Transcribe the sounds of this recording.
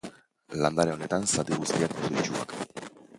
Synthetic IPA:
land̪aɾeo̞ne̞t̪ansat̪iɣust̪iakːoset͡ʃua̰k

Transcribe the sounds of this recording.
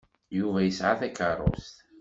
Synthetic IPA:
juvæjəsʕaθækərˤːo̰st̪

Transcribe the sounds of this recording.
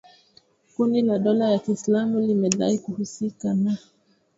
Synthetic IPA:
kunilaɗɔlajakislamulimɛɗa̰ikuhusikana

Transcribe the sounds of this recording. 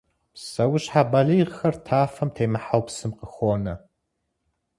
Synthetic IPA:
sɐwʊɕħabɐɮiːʁxɐrtʰaːfɐmtʰejmɨħawpsɨmqəxʷoːnɐ

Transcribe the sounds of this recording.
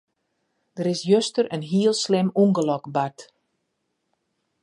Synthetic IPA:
d̥əɾɪsjøstəɾənɦiəlˠslɪmuŋɡəlɔkbat

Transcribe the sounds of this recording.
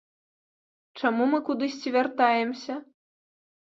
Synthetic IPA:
t͡ʂamumɨkud̪ɨsʲt͡sʲivʲart̪ajɛmsʲɐ

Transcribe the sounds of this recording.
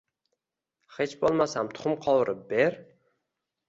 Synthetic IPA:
χet͡ʃbolˠmasamt̪ʰʊ̥χʊmqʰɒwɾʔɪp̚beɾ

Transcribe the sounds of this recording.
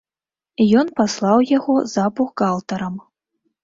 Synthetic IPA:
ijɔnpaslˠɑwjaɣɔzapuxɡalˠt̪ɐɾɐm

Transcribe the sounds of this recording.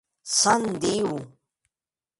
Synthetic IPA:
sɐnd̪iwu

